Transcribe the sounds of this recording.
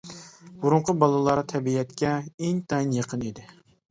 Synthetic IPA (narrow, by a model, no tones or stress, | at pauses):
buɾʊɴqʰʊbɑlˠɨlˠɑɾt̪ʰɛbiɛt̪kʲɛeŋt̪ʰɑjnjeqʰənid̪ɪ